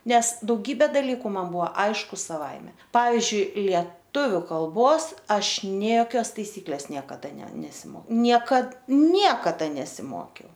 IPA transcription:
ˈnʲɛs dɐʊˈɡʲiːbʲeː dɐˈlʲiːkʊ mɐn ˈbʊʋoː ˈɐɪʃkʊ sɐˈʋɐɪmʲɛ ˈpɑːʋʲɪzʲd͡ʒʲʊɪ lʲiɛˈtʊʋʲʊ kɐlˠˈboːs ˈɐʃ ˈnʲeː joːˈkʲoːs tɐɪˈsʲiːklʲeːs ˈnʲiɛkɐdɐ nʲɛ nʲɛsʲɪˈmoːkʲɛʊ ˈnʲiɛkɐt ˈnʲiɛkɐdɐ nʲɛsʲɪˈmoːkʲɛʊ

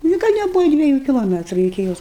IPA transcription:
nʲɪ ˈɡɐlʲ nʲɛˈbʊʋɐ dʲʋʲiɛˈjuː kʲɪlˠoːˈmʲæːtrʊ ɪkʲɪ ˈjoːs

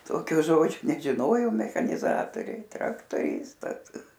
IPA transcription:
ˈtoːkʲoː ˈʒoːd͡ʒʲoː nʲɛʒʲɪˈnoːjoːm mʲɛxɐnʲɪˈzɑːtoːrʲɛɪ trɐktoːˈrʲɪstɐs

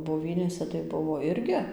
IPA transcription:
boːˈʋʲiːnʲeːsʲɛ tɐɪ ˈbʊʋoː ˈɪrʲɡʲɪ

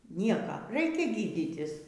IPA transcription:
ˈnʲiɛkɐ ˈrɐɪkʲɛ ˈɡʲiːdʲɪtʲɪs

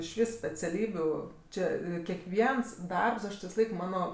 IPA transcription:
ɪʃ ˈʋʲiːs sʲpʲɛt͡sʲɛˈlʲiːbʲʊ ˈt͡ʃʲeː kʲɛkˈʋʲiɛns ˈdɐrps ˈɐʃ tʲɪ ʋʲɪsɐˈlˠɐɪk ˈmɑːnoː

